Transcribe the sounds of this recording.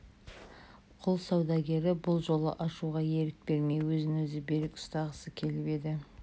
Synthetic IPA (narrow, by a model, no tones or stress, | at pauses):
qʰʊlˠsɑwd̪ɑɡʲe̞ɾɪbʊlˠʒo̞lˠə̰ʔɑʃuʁɑje̞ɾɪk̚be̞ɾme̞jwɵzɪnwɵzɪbe̞ɾɪkʊ̥st̪ɑʁəsəkʲʰe̞lɪbe̞d̪ɪ